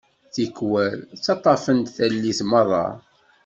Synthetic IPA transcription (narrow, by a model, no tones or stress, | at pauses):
θikːwæɾt͡sːɑt̪ˤːɑfənt̪θælːiθməðˤɑ̰